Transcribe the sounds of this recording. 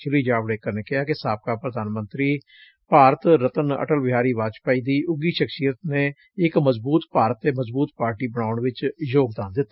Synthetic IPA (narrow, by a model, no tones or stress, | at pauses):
t͡ʃɪliːd͡ʒaːbɽeːkəɾneːkɪɦaːkɪsaːp̚kaːpɾəd̪aːnmə̃nt̪ɾiː | paːɾət̪ɾət̪ənə̰ʈəlbɪɦaːɾiːʋaːt͡ʃpaːiːd̪iːʔʊɡiːʃəksijət̪neː | ɪkməzbuːt̪paːɾət̪ːeːməzbuːt̪paːɾʈiːbəɽ̃aːʊɳʋɪt͡ʃjoːɡd̪aːnd̪ɪt̪ː